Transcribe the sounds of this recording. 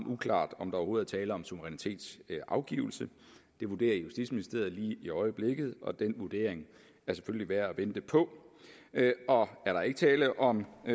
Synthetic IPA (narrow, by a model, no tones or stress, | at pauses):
nukʰlɑ̰̈ːd̥ɒ̽md̥ɑ̈oho̝ːð̩ˠt͡sʰɛːləɒ̽msuʋəʁɛnit͡sʰe̝̰ːd̥sʔɑ̈ʊɡ̥ḭʊl̩səd̥e̝ʋud̥e̝̰ːɐjusd̥ḭd̥sminisd̥e̝ːɐðˠliːiɒ̽ɪəb̥le̝ɡ̥ð̞̩ˠʔɒ̽d̥enʋud̥e̝̰ɐ̰eŋ | æɐse̥føljliʋæɐæʋend̥əpʰɒ̽ | ɒ̽æɐɾɑ̈e̝ɡ̥ət͡sʰɛːləʔɒ̽m